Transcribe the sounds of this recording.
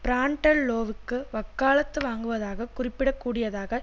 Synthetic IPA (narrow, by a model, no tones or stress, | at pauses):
pɪɾaːɳʈɐɭːoːʋɯkːɯʋɐkːaːlɐt̪ːɯʋaːŋɡɯʋɐðaːɣɐkʊrɪpːɪɽɐkːuːɽɪjɐðaːɣɐ